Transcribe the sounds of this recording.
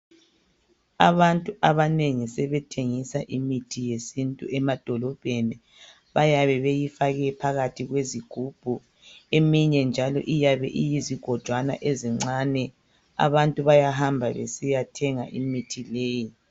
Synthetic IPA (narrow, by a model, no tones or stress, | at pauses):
a̰βantʼuaβaneŋisɛβɛtʰeŋisaʔimitʰijesintʼuɛmad̥ʱɔlɔb̥ʱeni | βajaβɛβejifaɣɛpʰaɣatʰiɣweziɡ̥ʱub̥ʱu | emiɲɛnd͡ʒʱalɔ̰ʔijaβɛ̰ʔijiziɡ̥ʱɔd̥ʒ̥ʱwana̰ʔeziŋ͡ǀanɛ | a̰βantʼuβajaɦambʱaβḛsijatʰɛŋa̰ʔimitʰileːji